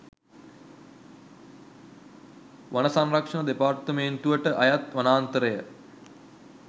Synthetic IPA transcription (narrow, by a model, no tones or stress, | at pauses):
ʋanəsanrakʂɐnəd̪epaːrt̪əment̪uʋəʈəʔajat̪ʋanaːnt̪əɾəjə